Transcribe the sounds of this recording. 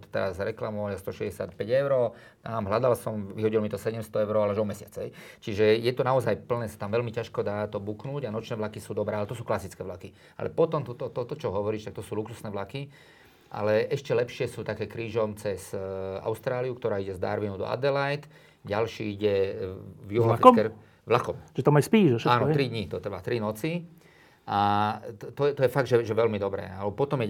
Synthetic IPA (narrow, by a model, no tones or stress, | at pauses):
t̪ɔ̥t̪ɛɾazɾɛklamɔalast̪ɔʃɛzɟɛsa̰t̪pɛɟɛʊɾɔː | t̪amɦlad̪alsɔmʋiɦɔɟilɔmit̪ɔsɛɟɛmst̪ɔɛʊɾɔalɛaʒɔmɛsɪat͡sɦɛ̰jt͡ʃiʒɛjɛt̪ɔnaɔzajpl̩nɛːsḁt̪amʋɛlmicaʃkɔd̪aːt̪ɔbuknuːɟanɔt͡ʃnɛːʋlakisuːd̪ɔbɾɛːalɛt̪ɔsuːklasit͡skɛːʋlaki | a̰lɛ̰pɔt̪ɔmt̪ɔt̪ɔt̪ɔt̪ɔt͡ʃɔɦɔʋɔɾiːʃt̪akt̪ɔsuːluksusnɛːʋlaki | ʔa̰lɛʔɛʃcɛlɛpʃɪɛsuːt̪akɛːkɾiːʒɔmt͡sɛza̰ʊst̪ɾaːliukt̪ɔɾaːiɟɛzd̪a̰ɾʋinud̪ɔ̰a̰d̪ɛlajt̪ | ɟalʃḭːiɟɛ | vjuɦɔfkɛ | ʋlakɔmʒɛt̪amajspiːʒɛʃɛaːnɔt̪ɾid̪ɲit̪ɔt̪ɾʋat̪ɾinɔt͡si | ʔa | t̪ɔɛt̪ɔjɛfaɡd̪ʒɛʒɛʋɛlmid̪ɔbɾɛ̰ːalɛpɔt̪ɔmjɛ